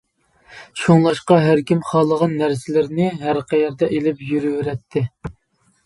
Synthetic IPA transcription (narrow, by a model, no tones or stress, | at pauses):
ʃoŋlˠɑʃqɑɦæɾkʲimχɑːlˠəʁɑnːæɾsɪlɪɾnɪɦæɾqʰɛjɛɾd̪ɛʔelɪpjyɾyweɾɛt̪ʰːɪ